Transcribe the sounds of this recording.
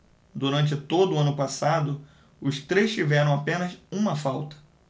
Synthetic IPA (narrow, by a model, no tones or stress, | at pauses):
d̪uɾɐ̃nt͡ʃɪt̪od̪ʊːɐ̃nʊpasad̪ʊ | ʊst̪ɾejʃt͡ʃivɛɾɐ̃w̃apẽnɐsũmɐfawt̪ɐ̥